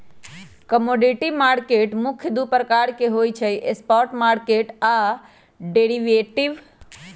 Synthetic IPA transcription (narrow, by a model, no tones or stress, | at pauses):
kəmoːɖiʈimaːɾkeʈmʊkʰjəd̪upɾəkaːɾkeɦojt͡ʃʰəjʔespɔɾʈmaːɾkeʈa | ɖeɽiʋeʈiʋ